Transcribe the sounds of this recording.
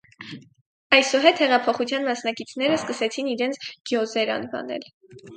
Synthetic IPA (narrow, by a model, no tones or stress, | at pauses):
ɑjsɔɦɛt̪hɛʁɑpʰɔχut͡sʰjɑnmɑsnɑkit͡sʰn̪ɛɾəskəsɛt͡sʰiniɾɛnt͡sʰɡ̥jɔzɛɾɑ̰nvɑ̰nɛ̰l